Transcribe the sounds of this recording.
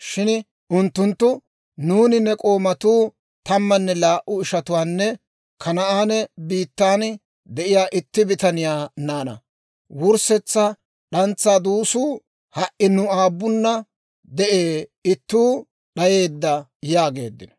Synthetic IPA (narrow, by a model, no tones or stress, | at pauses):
ʃɪn | ʔʊnt̪ːʊnt̪ːʊ | nuːnɪnɛkʼo̞ːmɐt̪uː | t̪ɐmːɐnːɛlaːʔʊɪʃɐt̪ʊwaːnːɛ | kʰɐnɐʔaːnɛbiːt̪ːaːn | d̪ɛʔɪjaːʔɪt̪ːɪbɪt̪ɐnɪjaːnaːnɐ̰ | wʊɾsɛt͡sːɐ | ɗɐnt͡sːaːd̪uːsuː | hɐʔɪnʊaːbːʊnːɐ | d̪ɛʔeːɪt̪ːuː | ɗɐje̞ːd̪ːɐjaːɡe̞̰ːd̪ːɪnɔ̥